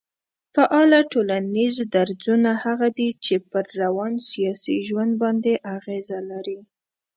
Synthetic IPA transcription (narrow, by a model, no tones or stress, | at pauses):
faʔɑlaʈolanizd̪aɾzunahaɣad̪it͡ʃepəɾːawɑnsijɑsiʒwand̪̚bɑnd̪eʔaɣezalaɾi